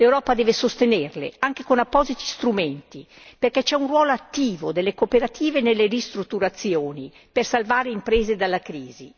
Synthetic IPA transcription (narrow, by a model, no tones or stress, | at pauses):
lewɾɔːpad̪ɛːvesost̪enerlḛaŋk̟ekonapːɔːzit̪i̥st̪ɾument̪i | perkɛt͡ʃɛunrwɔːloat̪ːiːvod̪elːekopeɾat̪ʰiːvenelːerist̪ɾut̪ːuɾat̪sːjoːni | persalvaːɾeimpɾeːzed̪alːakɾiːzḭ